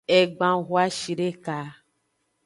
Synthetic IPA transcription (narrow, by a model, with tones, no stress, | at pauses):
e˨ɡ͡bã˨ɣu˦a˦ʃi˨ɖe˦ka˨